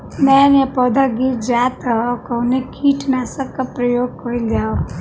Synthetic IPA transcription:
mɛnepɔd̪ʱaɡiɾd͡ʒaːt̪akɐnekʰiːʈʰnasɐkːapɾəjoːɡ̚kəilaː

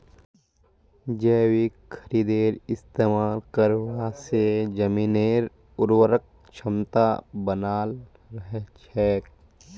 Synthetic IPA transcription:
d͡ʒɛːwikkʰːəɾiːd̪eːɾɪst̪eːmaːlkəɾwased͡ʒəmiːneːɾ | ʊɾwəɾək̚ | t͡ʃʰəmt̪a̰bənaːl | ɾəɦɛt͡ʃʰɛːk

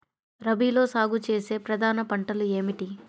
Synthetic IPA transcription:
ɾɐbiːlo̞ːsaːɡut͡ʃe̞ːse̞ːpɾɐd̪ʱaːnɐpɐɳʈɐlue̞ːmiʈi

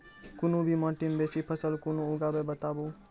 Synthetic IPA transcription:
kʊnũbʱimãʈɪmbeːsipʰəsəlkʊnõʊɡaːbebət̪aːboː

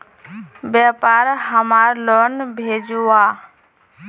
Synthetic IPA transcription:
bjɛpaːɾɦəmaɾlɔnbʱed͡ʒua

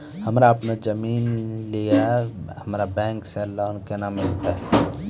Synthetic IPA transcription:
həmɾaɐpnad͡ʒəmiːnlijahəmɾabɛ̃ːŋkselaːnkenamɪlt̪aɦɛ

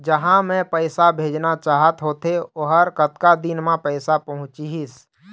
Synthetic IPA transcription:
d͡ʒəɦãmɛ̃pəɪsabʱeːd͡ʒnat͡ʃaːɦət̪ɦoːt̪eoɦəɾkət̪kad̪ɪnmẽpəɪsapɐɦʊ̃t͡ʃiɦis

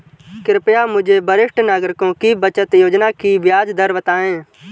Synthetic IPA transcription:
kɪɾpjaːmʊd͡ʒʱeːbəɾɪʂʈnaːɡɾɪkõːkiːbət͡ʃət̪joːd͡ʒnaːkiːʋɪjaːd͡ʒd̪əɾʋət̪aːẽː

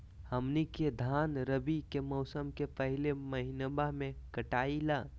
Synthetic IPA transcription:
həmniked̪ʱaːnɾəbikemɔʊsəmkepəɦɪleməɦɪnəbamẽkəʈaːilaː

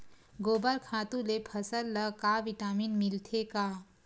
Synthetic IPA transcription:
ɡoːbəɾkʰaːt̪ũlepʰəsəlːəkaʋiʈaːminmilt̪ʰeka

